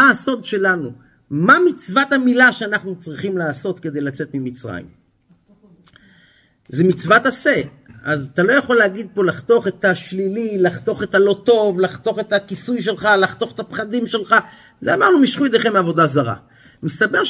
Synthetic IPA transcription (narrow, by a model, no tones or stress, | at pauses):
aso̞d̪ʃe̞lanu | mamit͡svat̪amilaʃeanaχnut͡sʁiχimlaːso̞t̪ke̞d̪e̞jlat͡se̞t̪mimit͡sʁa̰jḭm | zemit͡svat̪ase | azat̪alo̞jaχo̞lːeaɡid̪̚po̞laχt̪o̞χet̪aʃlililaχt̪o̞χet̪alo̞t̪o̞vlaχt̪o̞χet̪akisujʃ̬e̞lχalaχt̪o̞χet̪apχad̪imʃe̞lχa | zeamaʁnumiʃχujd̪eχemavo̞d̪azaʁa̰ | mist̪abe̞ʁ